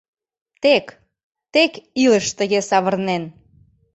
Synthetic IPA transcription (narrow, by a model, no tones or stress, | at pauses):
t̪ek | t̪ekiləʃt̪əɣesɑβərnen